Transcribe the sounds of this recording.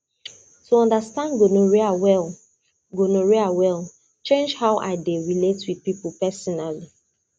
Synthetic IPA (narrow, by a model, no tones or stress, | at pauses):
tuɔ̃ndəstãndɡonoɹiawɛl | ɡonoɹiawɛl | t͡ʃẽnd͡ʒhaʊʔa̰ɪdeɹiletwid̥pipupɛsɔnali